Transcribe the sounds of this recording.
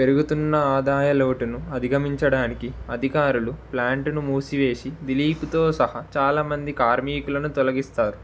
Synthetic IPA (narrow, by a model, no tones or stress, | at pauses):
pe̞ɾuɡut̪unːɐaːd̪aːjɐloːʈunuɐd̪ʱiɡɐmiɲt͡ʃɐɽaːnikiɐd̪ʱikaːɾuluplaːɳʈunumuːsiʋe̞ːsid̪iliːput̪oːsɐhɐt͡ʃaːlaːmɐnd̪ikaːɾmiːkulɐnut̪ɔlɐɡist̪aːɾu